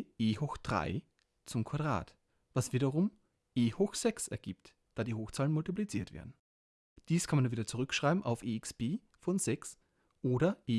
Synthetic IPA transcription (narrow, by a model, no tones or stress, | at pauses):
ʔeːhɔxd̥ʁa̰ɪ | t͡sʊmkʰv̥adʁa̰ːt | v̥asv̥iːɾɐʁʊm | ʔeːhoxz̥ɛksɛɐɡiːpt | d̥aːdiːhoːxt͡saːlənmʊltip̬lit͡siːɐtv̥ḛːɐdn̩ | d̥iːskʰanmanunviːdɐt͡suʁʏkʃʁ̥aɪbm̩ʔaʊfeːɪksb̥eː | fɔnz̥ɛks | ʔoːɾɐʔeː